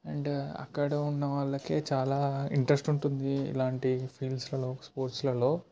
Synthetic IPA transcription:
ɛɳɖɐ̰kːɐɽɐunːɐʋaːɭːɐke̞ːt͡ʃaːlaːḭɳʈɾesʈuɳʈund̪iḭlaːɳʈipʰiːlɖslɐlo̞ːspoːɾʈslɐlo̞ː

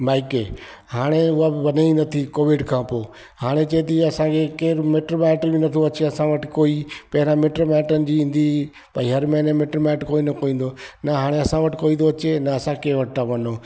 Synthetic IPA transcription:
baːɪkeː | haːɽ̃eʊɦabɪʋɐneĩnɐt̪ʰikoːʋɪɖkʰãːpoː | haːɽ̃et͡ɕɐet̪ɐiɐsãkʰekeːɾmeːʈɾomɛːʈəɾbɪnɐt̪ʰoɐt͡ɕeɐsãʋɐʈʰɪkoːiːpɐɦɪɾãmeːʈɾomɛːʈənɪ̆d͡ʑiːĩːn̆d̪i | pɐiɦɐɾmɛ̃ɦnemeʈɾomɛːʈkoːinɐkoːĩːn̆d̪oːnɐɦaːɽ̃eɐsãʋɐʈʰɪkoːĩːd̪oɐt͡ɕenɐɐsãkeːʋɐʈ̚t̪ʰãʋɐnoː

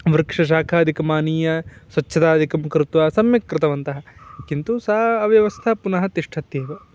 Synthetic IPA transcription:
ʋɾkʂɐʃ̬aːkʰaːd̪ʱikɐmaːniːjɐsʋɐtːʃʰɐt̪aːd̪ʱikɐmkɾɪt̪ʋaːsɐmjɐkɾɪt̪ɐʋɐnt̪ɐɦɐkint̪usɐɐʋjɐʋɐst̪ʰɐpunɐɦɐt̪iʂʈʰɐt̪jeːʋɐ

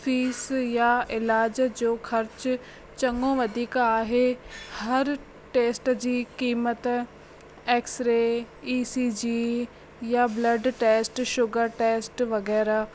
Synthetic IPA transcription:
fiːsjaɪlaːd͡ʑd͡ʑoːxɐɾt͡ɕ | t͡ɕɐ̃ŋɡõʋɐd̪ʱiːkaːɦehɐɾ | ʈeːsʈd͡ʑiːkiːmət̪ | eːksɾe | iːsiːd͡ʑiː | jablɐɖʈeːsʈʃʊɡəɾʈeːsʈʋɐɣɛːɾa

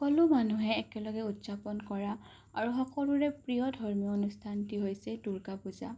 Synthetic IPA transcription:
ɔkɔlumanuɦɛːkɛlɔɡɛutzapɔnkɔɹa | aɹuxɔkɔluɹɛpɹijɔdʱɔɹmiɔonustʰantiɦojsɛduɹɡapuza̰

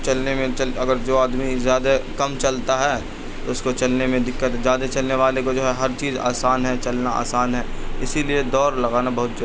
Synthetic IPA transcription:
t͡ʃɐlnemẽt͡ʃɐlɐɡəɾd͡ʒoːaːd̪mizjaːd̪akɐmt͡ʃɐlt̪aɦɛː | t̪oʊskot͡ʃɐlnemẽd̪ɪkːət̪d͡ʒjaːd̪at͡ʃɐlneʋaːlekod͡ʒoːɦɛɦɐɾt͡ʃiːza̰ːsaːnɦɛt͡ʃɐlnaa̰ːsaːnɦɛː | ɪsilied̪ɔːɾlɐɡaːnabɐɦʊt̪̚d͡ʒɐ

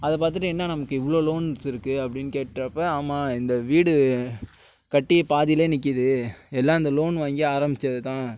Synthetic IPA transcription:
ɐðɐp̬aːɾt̪ɯʈːɯ̃ɛnːɐnɐmɐkːɯɪʋɐɭoːloːnsɪɾɯkːɯɐpːɐɽɪnːɯkeːʈːɾɐpːɐaːmaːɪnd̪ɐʋiːɽɯ | kɐʈːipaːðɪjleːnɪk̬ːɪðɯɛlːaːɪnd̪ɐloːnʋaːŋɡiaːɾɐmbɪt͡ʃːɐðɯt̪ãː

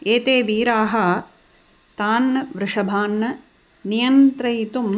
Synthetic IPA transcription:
eːt̪eːʋiːɾaːɦɐ | t̪aːnːɐʋɾɪʂɐbʱaːnːɐ | nijɐnt̪ɾɐjt̪um

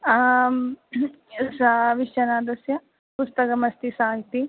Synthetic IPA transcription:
sɐʋiʃjɐnaːd̪ɐsjɐ | pust̪ɐkɐmɐst̪isaːɦit̪i

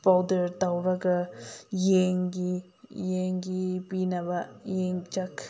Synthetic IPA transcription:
pawdɐɾtawɾɐɡɐjeŋɡi | jeŋɡipinɐbɐjeŋd͡ʒɐk

